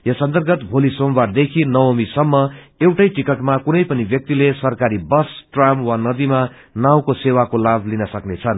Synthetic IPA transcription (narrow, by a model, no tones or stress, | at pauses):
jʌsʌnt̪ʌrɡʌt̪bʱolisombard̪ekʰinʌwomisʌmːʌ | ewʈʌjʈikʌʈmakunʌjpʌnibjʌk̚t̪ilesʌrkaɾibʌsʈramwanʌd̪ima | naw̃kosewakolabʱlinʌsʌknet͡sʰʌn